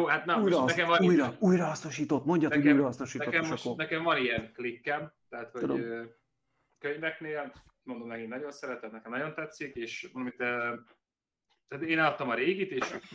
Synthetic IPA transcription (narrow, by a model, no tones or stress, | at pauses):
joːɦat̪nɛmujɾnɛkɛmvɒnujɾɒujɾɒɦɒsnoʃiːt̪ot̪ːmo̞ɲɟɒt̪ujɾɒhɒsnoʃiːt̪ɛokɛmʃkːonɛkɛɱvɒnijɛnklikːɛmt̪ɛɦat̪houd̪o̰ | køɲvɛkneːl | mo̞nd̪omnɛkinnɒɟo̞nsɛɾɛt̪ɛmnɛkɛmnɒɟo̞nt̪ɛt̪sːikeːʃmond̪omit̪ø | t̪æːt̪eːnɛlɒt̪ːɒmɒɾeːɡit̪eːʃ